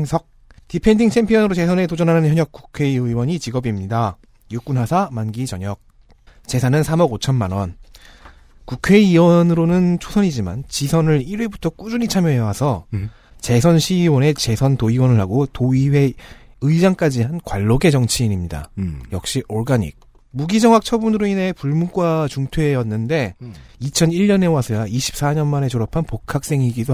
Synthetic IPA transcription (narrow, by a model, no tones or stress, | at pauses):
ŋsʰʌk̚ | tipʰe̞ndiŋtʰe̞mpʰiʌnɯɾot͡ɕesʰʌne̞tod͡ʑʌnɦanɯnçjʌɲjʌk͈̚u̥kʰe̞iɯiwʌɲit͡ɕiɡʌbimɲida | juk͈unɦasʰamanɡit͡ɕʌɲʌk̚ | t͡ɕe̞sʰanɯnsʰamʌɡot͡ɕʰʌnmanwʌn | kukʰe̞iːwʌnɯɾonɯnt͡ɕʰosʰʌɲid͡ʑima̰nt͡ɕisʰʌnɯɾiɾwe̞butʰʌk͈ud͡ʑuɲit͡ɕʰamjʌɦewasʰʌ | t͡ɕe̞sʰʌnɕʰiwʌne̞t͡ɕe̞sʰʌntoiwʌnɯɭhaɡotoiwe̞ | ɯid͡ʑaŋk͈ad͡ʑihankwaɭːoɡe̞d͡ʑʌŋt͡ɕʰiːɲimɲida̰jʌk̚ɕ͈iʔoɭɡaɲḭk̚ | muɡid͡ʑʌŋak̚t͡ɕʰʌbunɯɾoinɦe̞puɭmuk͈wat͡ɕuŋtʰweːjʌnːɯnde̞it͡ɕʰʌniɭɲʌne̞wasʰɯɡaiɕʰi̥p̚s͈aɲʌnmane̞t͡ɕoɾʌpʰanpokʰak̚s͈e̞ŋiɡido